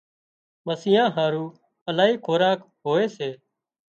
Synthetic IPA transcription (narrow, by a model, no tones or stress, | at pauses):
məsɪjãːɦaːɾuː | əlaːɦiːkʰoːɾaːk | ɦoːeːseː